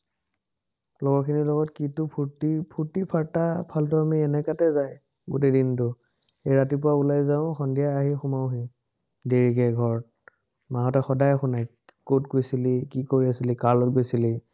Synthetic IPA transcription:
lɔɡɔɹkʰinilɔɡɔtkitʊpʰutipʰuɹtipʰaɹtapʰaltɔamiɛnɛkatɛzaj | ɡutedintʊ | ejɹatipʊɹaulajzaʊ̃xɔndijaːɦixʊmaʊɦĩ | deɹikɛɡʱɔɹ | maɦɔtɛxɔdajxʊnaj | kotkojsilikikoɹiasilikalɔtɡojsili

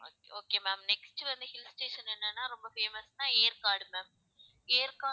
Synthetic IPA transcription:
oːkeoːkeːmæːmnɛksʈɯʋɐnd̪ɯhɪlsʈeːʃɐnɛnːɐnːaːɾɔmbɐfeːmɐsnãːeːɾkaːɾɽɯmæ̃ːm | eːɾkaː

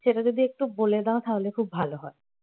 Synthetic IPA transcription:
ʃeʈad͡ʑod̪iek̚ʈuboled̪aot̪ʰaɦolekʰubːʱaloɦɔe

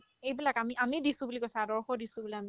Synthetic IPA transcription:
ejbilakamiʔamidisũbulikojsadɔɹxɔdisũbuliami

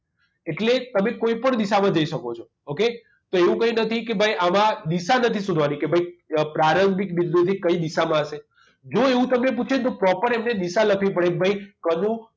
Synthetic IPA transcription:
eʈlet̪əmẽkoipəɳd̪iʃamãd͡ʒəiʃəkot͡ʃʰo | oke | t̪oeʋũkəɦjũnət̪ʰikebʱaiʔamãd̪iʃanət̪ʰisũd̪ʱʋanikebʱaipɾaɾəmbʱikbild̪ut̪ʰikəid̪iʃamãəʃe | d͡ʒoeũt̪əmnep̬ut͡ʃʰet̪̬opɾɔpəɾemned̪iʃaləkʰʋĩpəɽebʱaikənũ

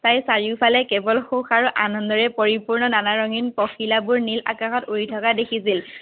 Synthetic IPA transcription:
tajsaɹiʊpʰalɛkɛbɔlxuxaɹuʔanɔndɔɹɛpoɹipuɹnɔnanaɹɔŋinpɔxilabʊɹnila̰kãxɔtoɹitʰɔkadekʰisil

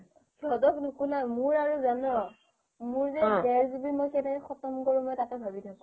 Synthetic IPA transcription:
kʰɔdɔknukulamʊɹaɹuzanɔ | mʊɹzɛɡɛɹzibimɔjxɛtakɛxɔtɔmkoɹũmɔjtakɛbʱabitʰakũ

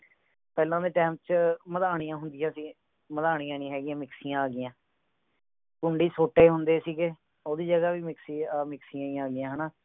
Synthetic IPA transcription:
pɛːlãːd̪eːʈɛːm̚t͡ʃməd̪aːɳ̃ijãːɦʊnd̪ijãːsiː | məd̪aːɽ̃ijãːnĩːɦɛːɡijãːmɪksijãːaːɡɪjãː | kʊɳɖiːsoːʈeːɦʊnd̪eːsiːɡeː | oːd̪iːd͡ʒəɡaːʋiːmɪksimɪksijãːiãːɡɪjãːɦənaː

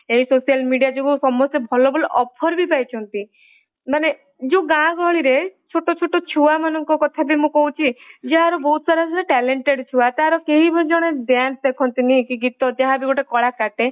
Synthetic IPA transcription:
eɦisosijalmiɖijad͡ʒoɡusɔmːɔst̪ebʱɔlɔbɔlɔʔɔpʰɔɾbipajt͡ʃʰɔnt̪i | mane | d͡ʒoɡãɡʱɔɭiɾet͡ʃʰoʈot͡ʃʰoʈɔt͡ʃʰuamanɔŋkɔkɔt̪ʰabimũkɔut͡ʃʰid͡ʒaɦaɾɔbɔɦut̪ɔsaɾasɔneʈɛleɳʈeɽt͡ʃʰuwat̪aɦaɾɔkeɦibʱɔd͡ʒɔɽ̃ed̪jansd̪ekʰɔnt̪inĩkiɡit̪ɔd͡ʒaɦabiɡɔʈekɔɭakaʈe

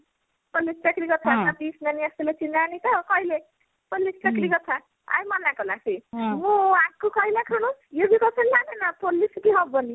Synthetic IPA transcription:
polispeklikʌt͡sʰanad̪isnaniast̪ilet͡sinːanit̪ʌkʌile | polːispeklikʌt͡sʰa | a̰jmʌnakolasʰimuãkːokʌilekʰanojobikʌt͡sʰʌnlanenʌpoliskiɦʌbːʌni

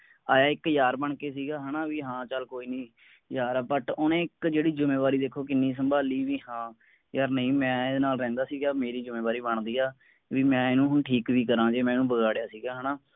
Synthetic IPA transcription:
aːjaːɪkjaːɾbəɳkeːs̬iːɡaːɦənaːʋiːɦãːt͡ʃəlkoːiːnĩː | jaːɾaːbəʈʊnẽːɪkd͡ʒeːɽiːd͡ʒʊmeːʋaːɾiːd̪eːkʰoːkɪnːĩːs̬əmbaːliːʋiːhãː | jəɾnəĩːmɛ̃ːd̪enaːlɾɛ̃ːnd̪aːsiːɡaːmeːɾiːd͡ʒʊmẽːʋaːɾiːbəɳd̪iːaː | ʋiːmɛ̃ːɪnũːɦʊɳʈʰiːkʋiːkəɾãːd͡ʒeːmɛ̃ːnũːbəɡaːɽejaːsiːɡaːɦənaː

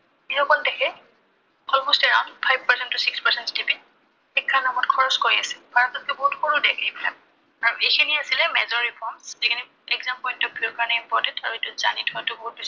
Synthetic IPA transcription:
ixɔkɔldekʰɛ | ɔlmostɛɹaw̃ndpʰajb̚ʱpasɛntːʊsikspasɛntstipin | xikʰːanamɔtkʰɔɹɔskoɹiasilbʱaɹɔtɔt̚kɛbɔɦutxʰuɹudɛkejbila̰ | aɹuejkʰiniasilɛmɛzɔɹipʰɔɹmszikʰini | ɛkzampɔjntɔbʱikaɹnɛimpɔɹtɛntaɹuetʊza̰nitʰɔatʊboɦut̚bis

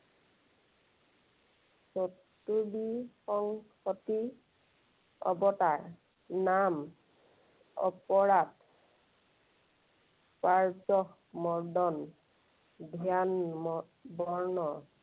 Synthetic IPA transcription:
sotː | ubixɔŋxɔti | ɔ̰bɔtaɹ | nam | ɔ̰pɔɹad | paɹzɔh | mɔɹdɔn | dʱijanm | bɔɹnɔ

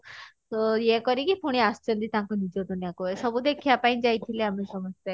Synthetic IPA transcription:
t̪ojekɔɾikipʰoɽ̃iast͡ʃʰɔnt̪it̪ãŋkɔnid͡ʒɔʈunjakoesɔbud̪ekʰijapaj̃nd͡ʒajt̪ʰileamesɔmɔst̪a

